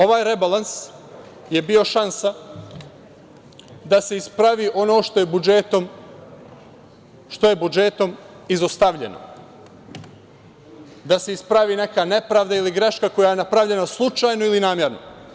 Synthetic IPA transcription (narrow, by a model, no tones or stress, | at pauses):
o̞ʋaːjɾebalˠans | je̞bio̞ʃansa | d̪ase̞ispɾaʋiːʔo̞no̞ːʃt̪ojebud͡ʒet̪om | ʃt̪o̞je̞bud͡ʒe̞t̪o̞m | izost̪aʋʎe̞̰no̰ | d̪ase̞ispɾaʋiːne̞kane̞pɾaːʋd̪ailiɡɾe̞ʃkakojaje̞napɾavʎe̞naslˠut͡ʃaːjno̞ilinaːmje̞ɾno̞̰